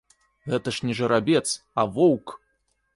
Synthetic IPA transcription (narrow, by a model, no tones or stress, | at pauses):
ɣɛt̪ɐʂnʲɛʐɐɾabʲɛt̪s | ɐvɔwk